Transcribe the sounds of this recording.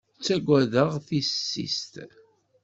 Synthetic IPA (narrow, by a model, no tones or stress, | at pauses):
t͡sːæɡʷæðəʁθissːḭst̪